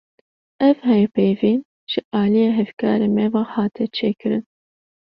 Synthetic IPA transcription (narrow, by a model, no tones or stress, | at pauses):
ɛvhɛjpejviːn | ʒ̥ɨʔɑːlijeːɦɛvkɑːɾeːmɛvɑːhɑːt̪ʰɛt͡ʃʰeːkɨɾɨn